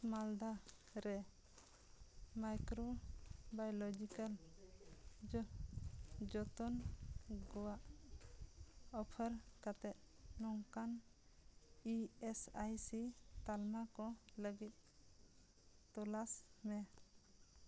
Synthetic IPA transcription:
mald̪aɾɛ | majkɾɔbajɔlɔd͡ʒikəl | d͡ʒɔt̪ɔnɡɔwaʔ | ɔpʰəɾkat̪ɛt̪̚nɔŋkan | iɛsajsit̪almakɔləɡit̪̚ | t̪ɔlasmɛ

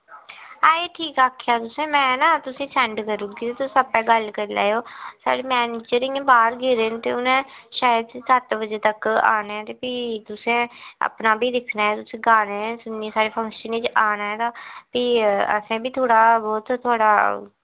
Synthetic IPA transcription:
aːeːʈʰiːkaːkʰjaːt̪ʊsẽːmɛ̃ːnaːt̪ʊsẽːsɛ̃ɳɖkəɾuːɡit̪eːt̪ʊsːəpːɛːɡəlkəɾla̰ːjoːsa̰ːɽeːmɛːneːt͡ʃəɾɪ̃ẽːbaːɾɡɪɾeːnt̪ḛːʊnẽːʃaːjəd̪sət̪bəd͡ʒeːt̪əka̰ːneɛ̃ːt̪eːpiːt̪ʊsẽːə̰pnaːbʱiːd̪ɪkʰnaːɛːt̪ʊsẽːɡaːnẽːsʊnːiːẽːsaːɾeːpʰə̃ŋkʃəniːt͡ʃaːnaɦɛ̃ːt̪aːpiːə̰sẽːbiːt̪ʰoːɽaːbɔːt̪ʰːoːɽaː

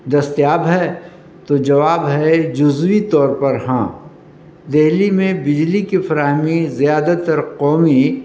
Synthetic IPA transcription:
d̪ɐst̪jaːbɦɛ | t̪od͡ʒɐʋaːbɦɛd͡ʒʊzʋit̪ɔːɾpɐɾɦãː | d̪eɦlimẽbɪd͡ʒlikifɐɾaːɦmizijaːd̪at̪ɐɾqɔːmi

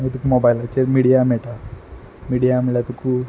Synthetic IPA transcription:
et̪ukumobajlat͡ɕeɾmiɽijameʈa | miɽijameɭat̪ukʰu

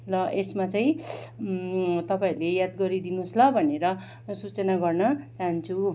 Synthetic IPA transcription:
lʌʔesmat͡saĩ | t̪ʌpaĩlejad̪ɡʌɾid̪inuslʌbʱʌneɾʌ | sut͡sʌnaɡʌrnʌt̪ant͡sʰu

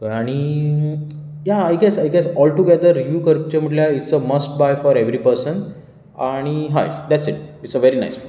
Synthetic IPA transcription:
aɽ̃i | jaaɪɡɛsaɪɡɛsɔlʈuɡed̪əɾjuːkəɾp̚t͡ɕemiʈljaiʈsəməsʈ̚bajfɔɾeʋɾipəɾsən | aɽ̃iɦa̰d̪æʈsiʈ̚iʈsəʋeɾina̰jsfu

